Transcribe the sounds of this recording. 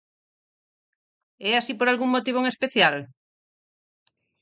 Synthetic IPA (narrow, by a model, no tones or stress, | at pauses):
ɛasipoɾalɣuŋmot̪iβ̞oeŋespeθjal